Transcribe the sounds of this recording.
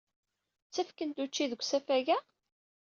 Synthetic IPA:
t͡sːæfkənt̪ut͡ʃːiðəɡʷsæfæʝæ

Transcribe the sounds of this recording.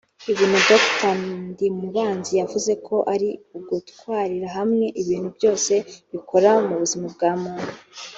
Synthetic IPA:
iβiːnhudoktadimuβaːnzijavuze̞kʰo̞ʔaɾiuɡutkwaːɾiɾaɦamŋe̞ʔiβiːn̥hubjo̞ːse̞βikʰo̞ɾamuβuzimab̚ɡaːmuːna

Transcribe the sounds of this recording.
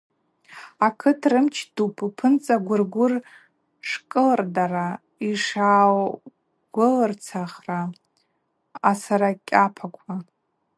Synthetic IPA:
akʰɨtʰrɨmt͡ʃʰdupʰʼpʰɨnt͡sʼaɡʷʊrɡʷʊr | ʂkʼɨlrdara | iʂaw | ɡ̥ʷʊlɨrt͡sʰaχra | saɾakʲʼapʰakʷʰa

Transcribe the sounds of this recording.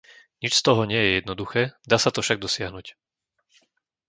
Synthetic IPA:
ɲit͡ʃst̪ɔɦɔɲɪɛjɛjɛd̪nɔd̪uxɛːd̪aːsat̪ɔfʃaɡ̚d̪ɔsɪaɦnuːc

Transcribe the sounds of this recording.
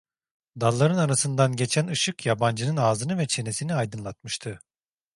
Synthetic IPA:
d̪alˠːaɾɯnanasɯnd̪anɟe̞t͡ʃʰænɯʃɯkjaband͡ʒɯnɯnaːzɯnɯvɛt͡ʃʰe̞ne̞siniajd̪ɯnlˠat̪̚mɯʃt̪ʰɯ

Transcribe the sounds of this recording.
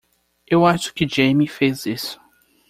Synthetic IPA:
ewaʃʊ̥kɪd͡ʒejmifezisʊ̥

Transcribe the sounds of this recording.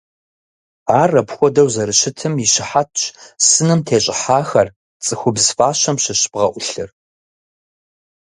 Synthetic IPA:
aːrɐpxʷɔdɐwzɐɾɨɕɪtʰɨmiɕɪħatʰʼɕsɨnɨmtʰeːɕʼɪħaːxɐr | t͡sʼɨxʷʊbzfaːɕɐmʃɪɕb̥ʁɐʔʷʊɬɨr

